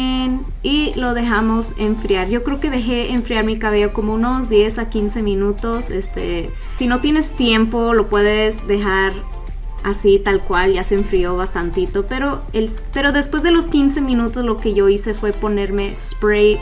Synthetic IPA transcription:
en | ilo̞ðe̞xamo̞se̞̰ɱfɾijaɾʝo̞kɾe̞oke̞ðe̞xe̞eɱfɾiaɾmikaβ̞e̞ʝo̞komo̞uno̞zðje̞sakinse̞mĩnut̪o̞se̞st̪ḛ | sino̞t̪je̞ne̞st̪je̞mpo̞lo̞pwe̞ðe̞zðe̞xaɾ | asit̪alkwalʝaseːɱfɾio̞βast̪ant̪it̪o̞pe̞ɾo̞ | el | pe̞ɾo̞ðe̞spwe̞zðe̞lo̞skinse̞mĩnut̪ozlo̞ke̞ʝo̞ise̞fwe̞po̞ne̞ɾme̞spɾe

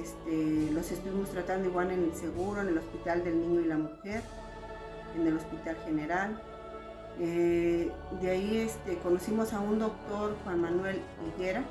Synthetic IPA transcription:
est̪elo̞se̞st̪uβimost̪ɾat̪and̪oiɣwalenelse̞ɣuɾo̞enelospit̪ald̪e̞lnĩɲo̞ilamuxe̞ɾ | ene̞lo̞spit̪alxe̞neɾal | e | d̪eaiest̪e̞ko̞nosimo̞saund̪o̞k̚t̪o̞ɾxwanmanwe̞l | iɣeɾa

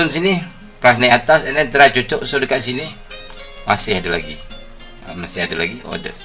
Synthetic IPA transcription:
ʊnsini | pɾasnɛat̪asɛnɛt̪əɾat͡ʃot͡ʃɔʔsodəkaʔsini | masɪhadala̰ɡi | əmasɪhadala̰ɡiʔo̰də̰

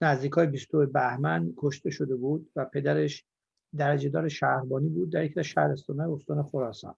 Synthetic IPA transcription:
næzd̪iːkʰɒːjebist̪oebæhmænkʰoʃt̪e̞ʃod̪e̞buːd̪væpʰe̞d̪æɾeʃ | d̪æɾæd͡ʒe̞d̪ɒːɾeʃæɾbɒːniːbuːd̪ːæɾjecʰiæzʃæhɾest̪ɒːnɒːjeost̪ɒːnexoɾɒːsɒ̰ːn

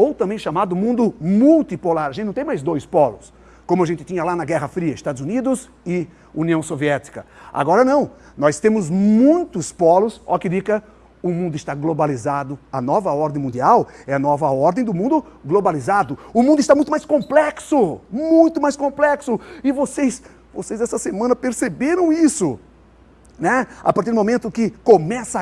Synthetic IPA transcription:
owt̪ɐ̃mbẽj̃ʃamad̪ʊmũnd̪ʊmuwt̪ipolaɾaɐʒẽt̪nɐ̃t̪ẽmajzd̪ojspɔlʊs | kõmʊɐʒẽnt̪ɪ̥t̪ĩɲɐlanɐɡɛɦɐfɾiɐɪst̪ad̪ʊzunid̪ʊz | ɪ | uniɐ̃w̃soviɛt̪i̥kɐa̰ɡɔɾɐnɐ̃w̃ | nɔjst̪ẽmʊzmũj̃t̪ʊspɔlʊsɔ̰kɪd̪ikɐ | ʊmũnd̪ʊɪst̪aɡlobalizad̪ʊɐnɔvɐɔɾd̪ẽj̃mũnd̪iawɛɐnɔvɐɔɾd̪ẽj̃d̪ʊmũnd̪ʊɡlobalizad̪ʊʊmũnd̪ʊɪst̪amũj̃t̪ʊmajskõmplɛksʊmũj̃t̪ʊmajskõmplɛksʊɪvosejs | vo̰sejzɛsɐsemɐ̃nɐpeɾsebeɾɐ̃w̃isʊ | nɛa̰paɾt̪iɾd̪ʊmõmẽnt̪ʊkɪkomɛsɐ

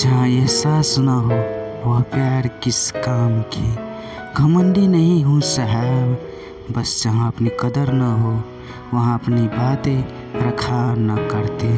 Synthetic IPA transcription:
d͡ʒəɦãeɦsaːsnəɦoʋəɦpjaɾkiskamkʰe | ɡʱəməɳɖinəɦĩɦũsəɦɛb | bəsd͡ʒəɦãəpnikəd̪əɾnəɦo | ʋəɦãəpnibat̪e | ɾəkʰanəkəɾt̪e

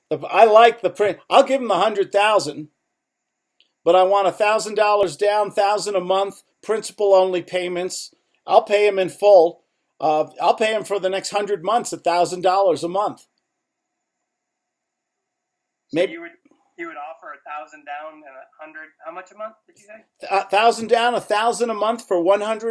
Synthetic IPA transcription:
ðɨaɪlaɪk̚ðɨpʰɹ̥ɪ̃ʔaɪlˠɡɪṽm̩ðəhʌ̃ndɹɨd̪̚θaʊzɨ̃n | b̥ʌɾaɪwɑ̃ɾ̃əθaʊzɨ̃ndɔlˠə˞zdãʊ̃nθaʊzɨ̃nəmʌ̃nθ | pʰɹ̥ɪ̃nsə̥pl̩ˠõʊ̃nlipʰẽɪ̃mɨ̃nts | ʔaɪlˠpʰeɪɨ̃mɨ̃nfʊlˠ | ʔaɪlˠpʰeɪɨ̃ɱfə˞ðɨnɛkst̚hʌ̃ndɹɨd̚mʌ̃nθsɨθaʊzɨ̃ndɔlˠə˞zəmʌ̃nθ | meɪɨɨ | jɨwɨɾɔfə˞ɨθaʊz̃n̩dãʊ̃nɨ̃nəhʌ̃ndɹɨd̥̚haʊmʌt͡ʃɨmʌ̃nθdɨd͡ʒɨeɪ | θaʊzɨ̃n̩dãʊ̃nəθaʊzɨ̃nəmʌ̃nθfə˞wʌ̃nhʌ̃ndɹɨ

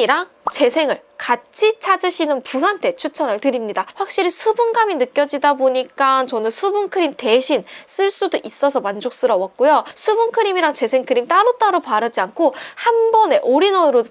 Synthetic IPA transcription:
iɾaŋ | t͡ɕe̞sʰe̞ŋɯɭkat͡ɕʰit͡ɕʰad͡ʑɯɕʰinɯnpusantʰe̞t͡ɕʰut͡ɕʰʌnɯɭtɯɾimɲidaɸwak̚ɕ͈iɾisʰubunɡaminɯk͈jʌd͡ʑidaboɲik͈ant͡ɕʌnɯnsʰubunkʰɯɾimte̞ɕʰins͈ɯɭs͈udoʔis͈ʌsʰʌmand͡ʑok̚s͈ɯɾʌwʌk̚k͈ojosʰubunkʰɯɾimiɾaŋt͡ɕe̞sʰe̞ŋkʰɯɾimt͈aɾot͈aɾopaɾɯd͡ʑiankʰohanbʌne̞ʔoɾinʌɾo

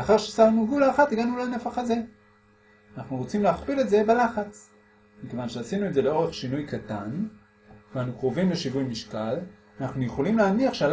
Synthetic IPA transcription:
aχaʁʃesaʁnuɡulaːχat̪iɡanulanefaχaze | anaχnuʁo̞t͡simleaχpile̞tze̞belaχat͡s | mike̞vanʃeasinuetze̞leo̞ʁe̞χʃinujkatan | veanukʁovimleʃivujmiʃkal | anaχnujeχo̞limleaniaχʃeal

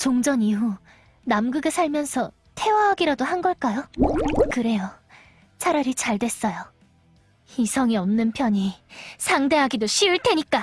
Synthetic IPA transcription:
t͡ɕoŋd͡ʑʌniɦu | namɡɯɡesʰaɭmjʌnsʰʌ | tʰe̞waɦaɡiɾadohanɡʌɭk͈ajokɯɾe̞jo | t͡ɕʰaɾjʌɾit͡ɕaɭdwe̞s͈ʌjo | hisʰʌŋiʌmnɯnpʰjʌɲisʰaŋde̞ɦaɡidoɕʰiɯɭtʰe̞ɲik͈a

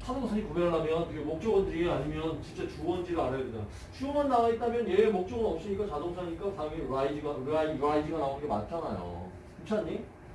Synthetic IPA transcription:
sʰadoŋsʰaɲikoɡeaɭamjʌnkɯɡemok̚t͡ɕ͈ʌɡwʌndɯɾieaɲimjʌnt͡ɕint͡ɕ͈et͡ɕoʌnd͡ʑiɾɯɭaɾajadeda | t͡ɕʰujomɦanːaait͈amjʌnjemok̚t͡ɕ͈ʌɡɯnʌp̚s͈iɲik͈at͡ɕadoŋsʰaɲik͈asʰaɯmeuaid͡ʑiɡaɾaiuɾaid͡ʑiɡanaonɯnɡema̰nt͡ɕʰanajo̰ | jut͡ɕʰaɲːi

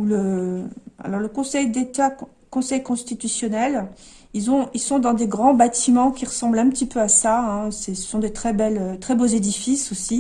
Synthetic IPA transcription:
ulə | a̰lɔʁləkɔ̃sɛjd̪et̪a | kɔ̃sɛjkɔ̃st̪it̪ysjɔnɛl | ilzɔ̃ilsɔ̃d̪ɑ̃d̪eɡʁɑ̃bat̪ʰimɑ̃kʲiʁəsɑ̃blɛ̃pət̪ipøasaɛ̃sɛsə̥sɔ̃d̪et̪χɛbɛløt̪χɛbozed̪ifisosi

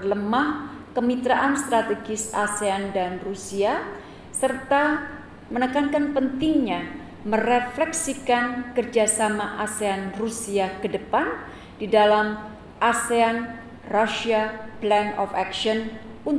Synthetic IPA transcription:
ləmahkəmit̪ɾaʔanst̪ɾat̪eɡɪsaseandanrusia | sərt̪a | mənəkankanpənt̪ɪŋɲa | məreflɛksikankərd͡ʒasamaʔaseanrusiakədəpan | didalam | ʔasean | rasiaplɛnɔ̰fɛkʃɔn | un

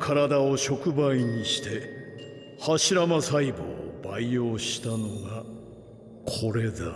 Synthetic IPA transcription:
kʰaɾad̪ao̞ɕo̞kɯ̟baiɲ̟iɕi̥t̪e̞ | haɕiɾamasaibo̰baijo̞ːɕi̥t̪ano̞ɡa | kʰo̞ɾe̞d̪a

